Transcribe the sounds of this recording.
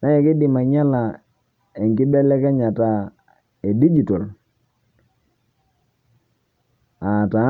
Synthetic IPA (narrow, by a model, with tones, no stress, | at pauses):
na˦jɛ˨kɪ˦dɪ˨ma˨ɲa˦la˨ | ɛ˨ŋki˦bɛ˦lɛ˦kɛ˦ɲa˨ta˨ | e˨di˦d͡ʒi˨tɔ˨l | a˨ta˨˦